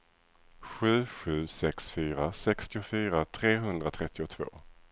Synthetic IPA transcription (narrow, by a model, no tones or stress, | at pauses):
ɧʉ̟ːɧʉ̟ːsɛksfyːɾasɛkst̪ɪʊfyːɾat̪ʰɾeːɦɵnd̪ɾat̪ʰɾɛt̪ːɪʊt̪ʰv̥o̰ː